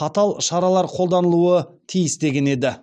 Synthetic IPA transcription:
ɑt̪ɑlˠʃɑɾɑlˠɑɾqʰolˠd̪ɑnəlˠuət̪ʰijɪst̪e̞ɡʲe̞ne̞d̪ɪ

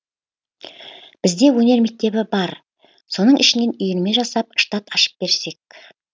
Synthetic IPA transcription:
b̥ɪzd̪e̞wɵne̞ɾme̞k̚t̪e̞bɪbɑɾ | so̞nəɴʔɪʃɪne̞nʏjɪɾme̞ʒɑsɑp̚ʃt̪at̪ɑʃə̥p̚b̥e̞ɾse̞k̚

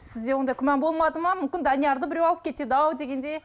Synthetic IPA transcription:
sɪzd̪e̞wo̞nd̪ɑjkʰʲʏmɑnbo̞lˠmɑd̪əmɑmʏmkʲɪnd̪ɑnijɑɾd̪əbɪɾewɑlˠəp̚kʲʰe̞t̪ed̪əɑwd̪e̞ɡʲe̞nd̪e̞

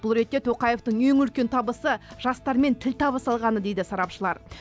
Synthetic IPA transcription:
b̥ʊlˠɾe̞t̪ːe̞t̪ʰoqɑjeft̪əɴeŋʏlkʲe̞nt̪ʰɑbəsəʒɑst̪ɑɾme̞nt̪ʰɪlt̪ʰɑβəsɑlˠʁɑnəd̪e̞jd̪ɪsɑɾɑpʃəlˠɑ̰ɾ

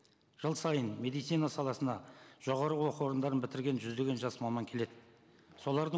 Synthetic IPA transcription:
ʒ̥əlˠsɑjənme̞d̪ijt̪sijnɑsɑlˠɑsənɑʒ̥o̞ʁɑɾəwo̞qəwo̞ɾənd̪ɑɾənbɪt̪ɪɾɡʲe̞nʒʏzd̪e̞ɡʲe̞nʒɑsmɑmɑŋkʲʰe̞le̞d̪ɪ | so̞lˠɑɾd̪ə

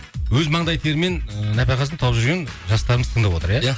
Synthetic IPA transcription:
wɵzmɑɴd̪ɑjt̪ʰeɾme̞nnæpæqɑzəɴt̪ʰɑwəpʒʏɾɡʲe̞nʒɑst̪ɑɾəməzt̪ʰəɴd̪ɑpwo̞t̪əɾjaj

